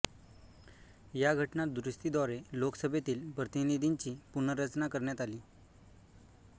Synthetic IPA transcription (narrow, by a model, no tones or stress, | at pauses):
jaɡʱəʈnat̪̚d̪uɾust̪id̪ɔɾeloksəbʱet̪iːlpɾət̪inid̪ʱiɲt͡ɕiːpunəɾət͡snakəɾɳjat̪aliː